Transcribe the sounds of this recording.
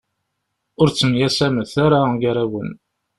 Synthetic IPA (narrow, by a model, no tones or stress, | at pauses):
ʊɾt͡sːəmjæsæməθaɾaɡaɾæwən